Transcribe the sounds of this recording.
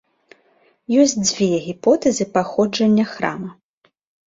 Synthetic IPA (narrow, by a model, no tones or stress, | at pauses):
jɔsʲtʲd͡zʲvʲɛɣʲipɔt̪ɛzɨpaxɔd͡ʐɐnʲːɐxɾa̰mɐ